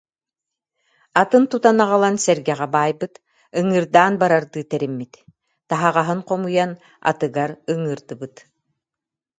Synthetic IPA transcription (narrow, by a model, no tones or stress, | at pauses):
at̪ɯnt̪ut̪anaʁalˠansɛɾɡɛʁɛbaːjbɯt̪ | ɯŋɯːɾd̪aːnbaɾaɾd̪ɯːt̪ɛɾimːit̪ | t̪aɦaʁaɦɯnqɔmujan | a̰t̪ɯɡaɾɯŋɯɾd̪ɯbɯt̪